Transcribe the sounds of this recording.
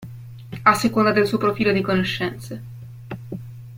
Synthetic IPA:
asːekond̪ad̪elsuːopɾofiːlod̪ikonoʃːɛnt̪se

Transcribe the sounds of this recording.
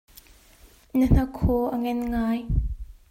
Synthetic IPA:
nən̥ɐkʰːɔʔəŋɛnŋaːj

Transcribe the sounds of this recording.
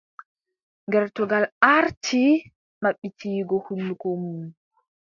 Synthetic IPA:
ŋɡɛɾtɔɡalaɾtʰi | maɓːitʰiːɡɔhunːukomu

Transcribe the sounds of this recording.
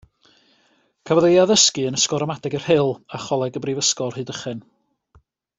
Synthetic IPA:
kʰavɔðejaðəskɨənəskɔɾɔmadɛɡɛr̥hɪlˠaχɔlˠɛɡəbrivəskɔrhɨːdəχɛn

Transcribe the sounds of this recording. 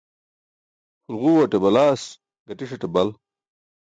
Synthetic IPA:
xulɣuːwɐʈebɐlaːs | ɡɐʈiʂɐʈebɐl

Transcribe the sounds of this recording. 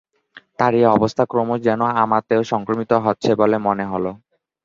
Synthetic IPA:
t̪aɾieɔbost̪ʰakɾomod͡ʑɛnoamat̪eoʃɔŋkɾomit̪oɦotːɕʰebolemoneɦolo

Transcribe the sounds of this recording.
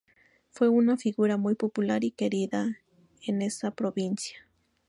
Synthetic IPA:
fwe̞unafiɣuɾamujpopulaɾikeɾiða | ene̞sapɾoβinsjḁ

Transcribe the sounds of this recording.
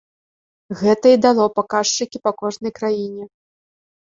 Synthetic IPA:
ɣɛt̪ɐid̪alˠɔpakaʂt͡ʂɨkʲipakɔʐnɐjkɾajinʲɛ

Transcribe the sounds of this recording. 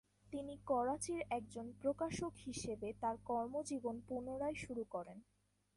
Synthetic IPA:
t̪inikɔɾat͡ɕiɾɛk̚d͡ʑonpɾokaʃokhiʃebet̪aɾkɔɾmod͡ʑibonpunoɾaeʃuɾukɔɾen

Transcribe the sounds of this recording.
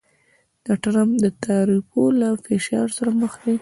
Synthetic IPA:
dɑʈaɾamd̪ət̪ʰaɾifolafeʃɑɾsaɾaməxd̪e

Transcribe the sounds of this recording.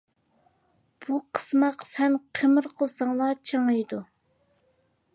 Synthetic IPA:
b̥uqʰə̥smɑqsɛnqʰəmɨɾqʰəlˠsɑŋlˠɑːt͡ʃʰəŋɨjd̪u

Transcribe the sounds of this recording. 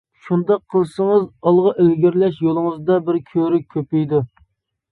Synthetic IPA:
ʃund̪ɑqʰːəlˠsəŋəzɑlˠʁɑʔelɡʲiɾlɛʃjolˠəŋəzd̪ɑbɪɾkʲʰøɾykʲʰːøpijd̪u

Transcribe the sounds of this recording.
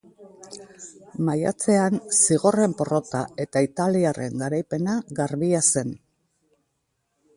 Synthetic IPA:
maja̰t͡se̞ansiɣ̞o̞re̞mpo̞ro̞t̪ae̞t̪ait̪aliare̞ŋɡaɾajpe̞naɡaɾβiase̞n

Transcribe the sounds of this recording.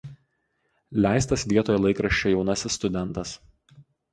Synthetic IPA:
lʲæˑɪst̪ɐsʋʲiɛt̪oːjɛlˠɐɪkɾɐʃʲt͡ʃʲojɛʊnɐsʲɪsːt̪ʊd̪ʲɛnˑt̪ɐs

